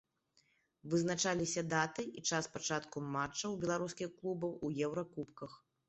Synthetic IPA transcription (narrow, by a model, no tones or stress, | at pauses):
vɨznat͡ʂalʲisʲɐd̪at̪ɨit͡ʂaspat͡ʂat̪kumːat͡ʂːɐwbʲɛlˠaɾuskʲixklˠubɐwujɛwɾɐkupkɐx